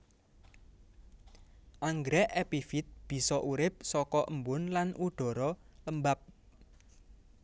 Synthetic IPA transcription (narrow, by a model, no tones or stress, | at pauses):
ʔaŋɡɾɛʔɛpifit̪̚b̥i̤sɔʔuɾɪp̚sɔkɔʔəmbʊnlanʔuɖ̥ɔ̤ɾɔləmbap̚